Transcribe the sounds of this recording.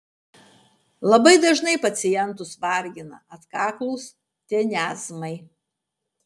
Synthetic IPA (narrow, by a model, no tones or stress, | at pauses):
lˠɐbɐɪd̪ɐʒnɐɪpɐt̪sʲɪjɛnˑt̪ʊsʋɐˑɾʲɡʲɪnɐ̰ɐt̪kɑːklˠuːs | t̪ʲenʲæːzmɐɪ